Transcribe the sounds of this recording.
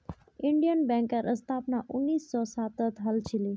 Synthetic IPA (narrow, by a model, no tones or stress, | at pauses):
ɪɳɖijənbɛ̃ŋkəɾʔəst̪ʰapnaʔʊnːiːsːɔsaːt̪ət̪ɦəlt͡ʃʰili